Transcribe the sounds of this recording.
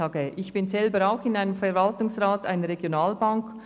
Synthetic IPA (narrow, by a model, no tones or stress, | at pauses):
ɑːɡəʔɪçb̥ɪnzɛlbəɾaʊxɪnaɪnəmfɛɾvɑltʊŋsʁaːta̰ɪnəɾeɡjonaːlbaŋk